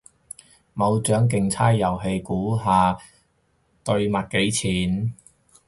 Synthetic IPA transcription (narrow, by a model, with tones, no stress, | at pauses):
mɐ˨˧wt͡ʃœː˨˥ŋk̬ɪ˨˧ŋt͡sʰaː˥jjɐ˨˩wɦe˧jkuː˨˥ɦaː˨˧ | t̪ɵ˧ɥmɐ˨t̚ke˨˥jt͡sʰiː˨˩n